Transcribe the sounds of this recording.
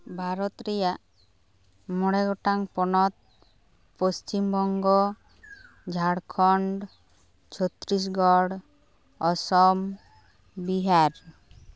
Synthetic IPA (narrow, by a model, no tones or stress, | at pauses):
bʱaɾɔt̪ɾɛja | mɔɽeɡɔʈaŋpɔnɔt̪̚ | post͡ʃimbɔŋɡɔ | d͡ʒʱaɽkʰɔɳɖ | t͡ʃʰɔt̪ɾis̬ɡɔɽ | ɔsɔm | biɦaɾ